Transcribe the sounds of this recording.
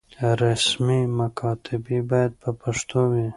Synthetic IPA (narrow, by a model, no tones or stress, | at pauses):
ɾasmimakʰɑt̪ʰɪbibɑjad̪̚pəpaʂt̪owi